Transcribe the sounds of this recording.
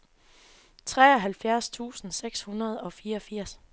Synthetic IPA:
t͡sʰʁɛːɒ̽ɦælfjæɐst͡sʰṵːsn̩seɡ̥shunɐð̞̩ˠɒ̽fiːɐɒ̽fiɐ̰s

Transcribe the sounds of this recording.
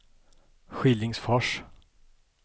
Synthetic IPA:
ɧɪlɪŋsfɔʂ

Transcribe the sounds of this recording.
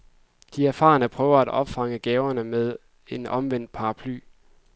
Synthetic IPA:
d̥iæɐfɑ̰̈ːnəpʰʁœːʊɐæd̥ɒ̽b̥fɑ̈ŋəɡ̥ɛːʊɐnəmeð̞ˠ | e̝nɒ̽mʋen̰d̥̚pʰɑ̈ːɑ̈pʰly̰ː

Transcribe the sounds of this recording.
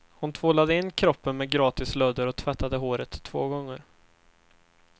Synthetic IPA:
hʊnt̪ʰvoːlad̪əɪnːkʰɾɔpːənmɛːɡɾɑːt̪ɪslœːd̪əɾɔt̪ʰvɛt̪ʰːad̪əɦoːɾət̪ʰːvoːɡɔŋːə̰ɾ

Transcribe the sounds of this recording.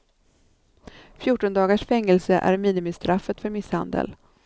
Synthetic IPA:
fjʊːʈːɔnd̪ɑːɡaʂfɛŋːɛlsəʔæ̰ɾmiːnɪmɪst̪ɾafːət̪fœɾmɪsha̰nd̪ə̰l

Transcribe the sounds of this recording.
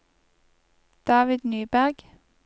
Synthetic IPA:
d̪̥ɑːʋɪd̪nyːbæʁɡ̥

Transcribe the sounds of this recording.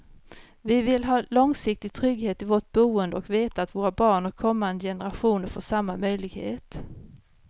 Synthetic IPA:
vɪvɪlɦɑːlɔŋsɪk̚t̪ɪɡ̚t̪ʰɾʏɡheːt̪ɪvoʈ̚buːənd̪əɔkveːt̪aːt̪voːɾabɑːɳhæɾkʰɔmːand̪əjɛnəɾaɧuːnəɾfoːʂamːamœjlɪɡhḛːt̪

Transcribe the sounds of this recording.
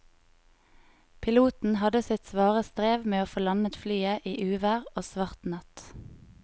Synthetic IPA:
pʰɪluːt̪n̩hɑd̪əsɪt̪sʋɑːʁəst̪ʁeːʋmeːoːfoːlɑnət̪flyːəʔiːʔʉːʋæʁoːsʋɑʁt̪nɑt̪

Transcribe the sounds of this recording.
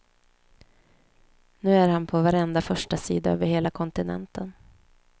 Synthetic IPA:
nʉ̟ːæɾhanpʰɔvaɾɛnd̪afœʂʈasḭːd̪aø̰ːvəɾheːlakʰɔnt̪ɪnɛ̰nt̪ən

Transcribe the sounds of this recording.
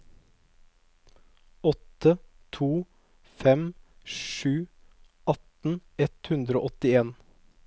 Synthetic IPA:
ɔt̪ət̪ʰuː | fɛmʃʉː | ʔɑt̪n̩ɛt̪hʉnd̪ɾəo̰ːʔɔt̪ɪeːn

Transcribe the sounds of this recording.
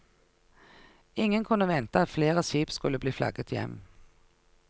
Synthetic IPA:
ɪŋənkʰʉnːəʋɛnt̪əɑt̪fleːʁəʃiːpskʉlːəbliːflɑ̰ɡət̪ʰjɛ̰m

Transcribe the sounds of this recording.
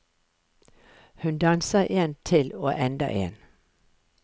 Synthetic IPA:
hʉnd̪ɑnsəʔeːnt̪ʰɪloːʔɛnd̪ə̰ʔḛːn

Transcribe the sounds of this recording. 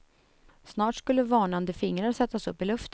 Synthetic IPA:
snɑːʈskɵlːəvɑːɳand̪əfɪŋɾaɾsɛt̪ːasɵpːɪlɵft̪

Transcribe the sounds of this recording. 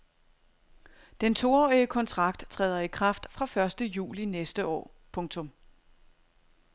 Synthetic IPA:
d̥ent͡sʰo̝ɒːiəkʰɒ̽nt͡sʰʁɑ̈ɡ̥̚d̥t͡sʰʁɛ̰ːðˠɐikʰʁɑ̈fd̥fʁɑ̈fɶɐsd̥əjṵːlinesd̥əʔɒ̰ː | pʰɔ̽ŋt͡sʰɔ̽m

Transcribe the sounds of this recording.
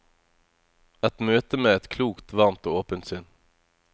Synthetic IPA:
ɛt̪møːt̪əmeːɛt̪kʰluːkt̪ʋɑʁmt̪oːoːpənt̪sʏn

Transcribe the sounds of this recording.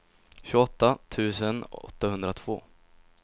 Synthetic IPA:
ɕʉ̟ːɡɔt̪ːat̪ʰʉ̟ːsənɔ̰t̪ːahɵnd̪ɾat̪ʰv̥o̰ː

